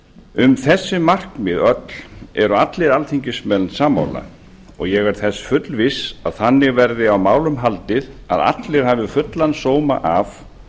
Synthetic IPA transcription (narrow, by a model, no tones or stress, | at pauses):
ʏmθɛsːɪmar̥kmɪðœt̪lɛɾʏat̪lɪɾalθʰiɲcɪsmɛlnsaːmːa̰wla̰ | ɔ̰ɣjɛɣaɾ̥θɛsfʏt̪lvɪsaðθanːɪɣvɛɾðɪawmaːwlʏmɦalt̪ɪðaða̰t̪lɪɾ̥haːvɪfʏt̪lansoːwma̰ʔaf